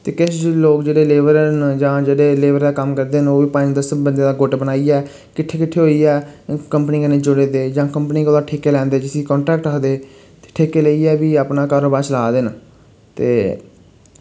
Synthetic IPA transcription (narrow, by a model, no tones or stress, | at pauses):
t̪eːkɪt͡ʃloːkd͡ʒeːɽeːleːʋəɾənd͡ʒãːd͡ʒeːɽeːleːʋəɾd̪aːkəmkəɾd̪eːnoːʋiːpãːd̪əsəbənd̪ẽːd̪aːɡʊʈbənaːiːɛː | kɪʈʰːeːkɪʈʰːeːɦoːiːɛːkəmpəniːkənẽːd͡ʒʊɽeːd̪eːd͡ʒãːkəmpniːkːd̪aːʈʰeːkeːlɛ̃ːnd̪eːd͡ʒɪsĩːkɔ̃ːɳʈɾɛːkʈɾəkʰd̪eː | t̪e̥ːʈʰeːkeːleiːɛːbiːəpnaːkaːɾoːbaːɾslaːd̪eːna | t̪ḛː